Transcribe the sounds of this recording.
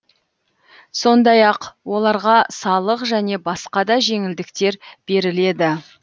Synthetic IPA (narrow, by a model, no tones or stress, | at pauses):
so̞nd̪ɑjɑqwo̞lˠɑɾʁɑsɑlˠəqʒæne̞bɑsqɑd̪ɑʒe̞ŋɪld̪ɪkt̪e̞ɾb̥e̞ɾɪle̞d̪ɪ